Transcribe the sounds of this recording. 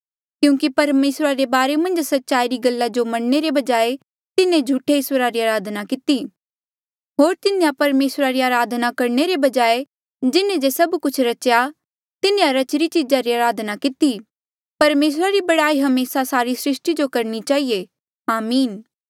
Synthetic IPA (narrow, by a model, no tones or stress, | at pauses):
kjũːkipɐɾmeːsɾaɾebaːɾemɐ̃nd͡ʒsɐtːʃaːiɾiɡɐlːad͡ʒomɐɽneɾebɐd͡ʒaːe | t̪ɪnẽd͡ʒʱuʈʰeɪsəɾaɾiaːɾaːd̪ʱnakɪt̪i | ɦoːɾt̪ɪnẽjapɐɾmeːsɾaɾiaːɾaːd̪ʱnakɐɾneɾebɐd͡ʒaːe | d͡ʒɪnẽd͡ʒesɐbkʊt͡ʃʰɾɐt͡ʃja | t̪ɪnẽjaɾɐt͡ʃɾit͡ʃid͡ʒaɾiaːɾaːd̪ʱnakɪt̪i | pɐɾmeːs̬ɾaɾibɐɽaːiɦɐmeːsasaːɾisɾɪʃʈid͡ʒokɐɾñit͡ʃaːie | aːmiːn